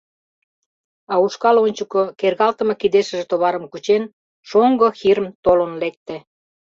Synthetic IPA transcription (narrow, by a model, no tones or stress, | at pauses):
ɑuʃkɑlonʲt͡ɕukŏkerɣɑlt̪ə̆mɤ̆kid̪eʃə̆ʒĕt̪oβɑɾəmkut͡ɕen | ʃoŋɡŏxiɾə̆mt̪olənlek̚t̪ĕ